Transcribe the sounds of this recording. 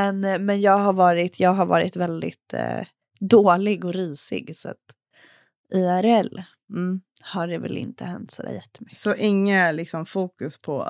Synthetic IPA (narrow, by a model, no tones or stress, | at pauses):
mɛnmɛnjɑːɡɦaɾvɑːɾɪt̪ʰjɑːɡɦaɾvɑ̰ːɾɪt̪vɛld̪ɪt̪ | d̪oːlɪɡɔɾyːsɪ̰ɡsa̰t̪ | iæɾɛlː | haɖɛvɛ̰lɪ̰nt̪əhɛnt̪sɔd̪æ̰ːjɛt̪ːəmʏkːɔʔɪŋːalɪksɔmfuːkɵspʰɔ̰